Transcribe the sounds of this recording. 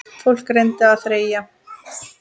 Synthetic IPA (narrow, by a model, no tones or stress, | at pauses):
fowl̥krejnt̪ɪaðθɾeːja